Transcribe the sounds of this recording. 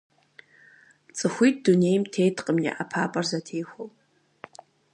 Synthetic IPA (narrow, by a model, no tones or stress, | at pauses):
t͡sʼɨχʷit̚ʰdune̞jmtʰejtʰʼqʼəmnʲḭʔapʰapʼarzatʰejχʷowpʼ